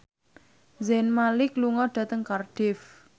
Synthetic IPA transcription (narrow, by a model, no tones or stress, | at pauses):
zɛnmalɪkluŋɔɖ̥ä̤t̪əŋkarɖ̥ɪf